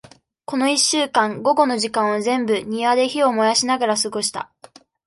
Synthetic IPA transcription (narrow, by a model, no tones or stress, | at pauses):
ko̞no̞iɕːɨːkãŋɡo̞ɡo̞no̞ʑikãɰ̃wazẽ̞mbɯ̟ɲ̟iβad̪e̞çio̞mo̞jaɕinaɡaɾasɨɡo̞ɕi̥t̪a̰